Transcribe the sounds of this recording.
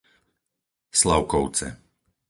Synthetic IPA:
slaʊkɔʊt͡sɛ̰

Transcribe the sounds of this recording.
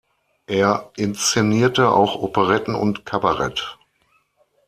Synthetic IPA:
ʔeːɐʔɪnst͡seniːɐtəʔa̰ʊxʔopəʁɛtn̩ʊ̰ntkʰabaʁɛ̰t

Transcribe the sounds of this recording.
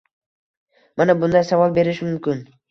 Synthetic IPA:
manabʊnd̪ajsavɒlˠbe̞ɾɪʃmʊmkʲɪn

